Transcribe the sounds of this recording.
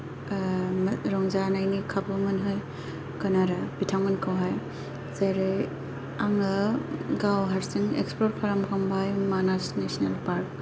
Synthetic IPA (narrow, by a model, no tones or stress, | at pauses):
mɾɔŋzanajnikʰabɯmɯnɦɯj | kɐnaɾɐbitʰawŋɯnkʰawɦaj | zaɾɯj | aŋɯɡawɦaɾsiŋḛkspɔɾpʰaɾamkʰambajmanasnesnelpaɾk̚